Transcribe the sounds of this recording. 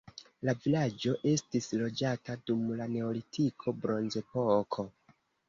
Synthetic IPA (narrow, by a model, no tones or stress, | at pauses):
lavilad͡ʒo̞ʔe̞stislo̞d͡ʒatadumlane̞olitʰikʰo̞bɾo̞nze̞po̞kʰo̞